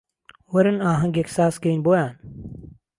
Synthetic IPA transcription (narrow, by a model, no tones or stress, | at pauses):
ʋəɾənãːɦə̃ŋɡeksaːskəiːnboːjãːn